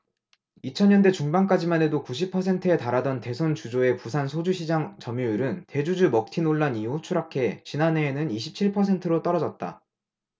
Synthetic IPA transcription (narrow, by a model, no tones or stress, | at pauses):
it͡ɕʰʌɲʌnde̞t͡ɕuŋbank͈ad͡ʑimane̞dokuɕʰipʰʌs̬ʰe̞ntʰɯe̞taɾadʌnte̞sʰont͡ɕud͡ʑoe̞pusʰansʰod͡ʑuɕʰid͡ʑaŋt͡ɕʌmjujuɾɯnte̞d͡ʑud͡ʑumʌk̚tʰinoɭːaniut͡ɕʰuɾakʰe̞t͡ɕinane̞nɯniɕ̬ʰip̚t͡ɕʰiɭpʰʌs̬ʰe̞ntʰɯɾot͈ʌɾʌd͡ʑʌt̚t͈a̰